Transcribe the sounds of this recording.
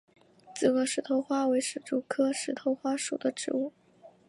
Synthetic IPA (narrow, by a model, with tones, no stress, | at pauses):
t͡sɹ̩˥˩kɤ˥˩ʂɻ̩˧˥t̪ʰo˧˥ʊxwa˥we˧˥ɪʂɻ̩˨˩ʈ͡ʂu˥˩kʰɤ˥ʂɻ̩˧˥t̪ʰo˧˥ʊxwa˥ʂṵ˨˩d̪ə˦ʈ͡ʂɻ̩˧˥u˥˩